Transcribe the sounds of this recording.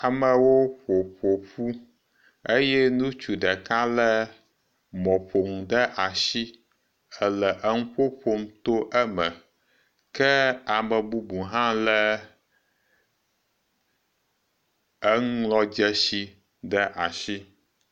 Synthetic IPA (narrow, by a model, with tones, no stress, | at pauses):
a˨mə˨wo˦ɸo˨ɸo˨ɸu˦ | e˦jɛ˦nũ˦t͡ʃu˨ɖɛ˨ka˦lɛ˦ | mɔ̃˨ɸo˨ŋ˨ɖə˦ʔa˨ʃi˦ | ɛ˦lɛ˨ʔə˦ŋ̩˦ɸo˦ɸo˦mt̪o˦ʔɛ˦mə˨ | kɛ˦a˨mə˨bu˦bu˨ɦã˦lɛ˦ | ə˦ŋ˦lɔ˦d͡ʒɛ˦ʃi˦ | ɖɛ˦ʔa˨ʃi˦